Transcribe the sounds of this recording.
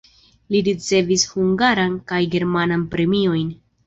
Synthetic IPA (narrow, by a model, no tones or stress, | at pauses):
liɾit͡se̞vishuŋɡaɾankajɡe̞ɾmananpɾe̞mio̞jn